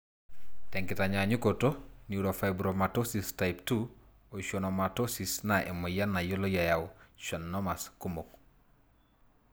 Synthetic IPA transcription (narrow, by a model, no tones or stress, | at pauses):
tɛŋkɪtaɲaɲukotoniuɾofajbɾomatosistajptu | oʃonomatosisnaʔḛmojanːajolojajawʃɔnːɔmaskumok̚